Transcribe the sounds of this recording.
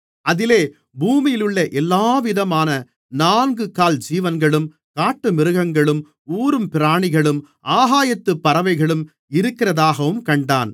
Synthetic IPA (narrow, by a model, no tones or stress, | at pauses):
ʔɐðɪleː | buːmɪjɪlɯɭːɐʔɛlːaːʋɪðɐmaːnɐ | naːnɡɯkaːld͡ʒiːʋɐnɡɐɭɯm | kaːʈːɯmɪɾɯɣɐŋɡɐɭɯm | uːɾɯmpɪɾaːɳɪɣɐɭɯm | ʔaːɦaːjɐt̪ːɯpːɐɾɐʋɐɪɣɐɭɯm | ɪɾɯkːɪrɐðaːɣɐʋɯmkɐɳɖaːn